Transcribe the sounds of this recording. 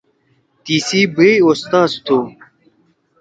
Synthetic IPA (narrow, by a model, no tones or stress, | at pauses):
t̪iːsiːbejost̪aːst̪ʰu